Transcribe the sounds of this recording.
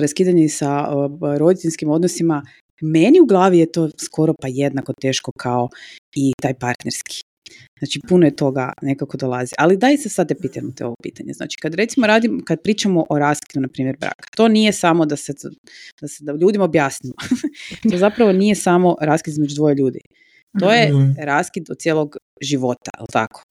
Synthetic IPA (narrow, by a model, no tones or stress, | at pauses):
ɾaskiːd̪aɲeisaɾo̞d̪it̪eʎʲskimo̞d̪nosima | me̞niuɡlˠaːʋijet̪o̞ːskʰo̞ɾo̞paje̞d̪nakot̪e̞ːʃko̞kʰao̞it̪aːjpaɾt̪neɾski̥ | znaːt͡ʃipunojet̪o̞ɡa̰ne̞kako̞d̪olˠaziʔalid̪aisasad̪t̪ːepiːt̪amut̪eo̞ʋopḭːt̪aɲezna̰ːt͡ʃi̥kad̪ɾe̞t̪simoɾaːd̪imkad̪̚pɾiːt͡ʃamoʔoɾaːskid̪unapɾiːmjeɾbɾa̰ːkḁt̪o̞nije̞samod̪ase | d̪ased̪aʎuːd̪imaobjaːsniʋot̪o̞zapɾaʋo̞nije̞samo̞ɾaːskid̪izmed͡ʒud̪ʋo̞jeʎuːd̪ḭ | t̪o̞je̞ɾaːskid̪ot̪t̪jeːlˠoɡ | ʒiʋo̞t̪a̰ḭlˠt̪a̰kʰo̥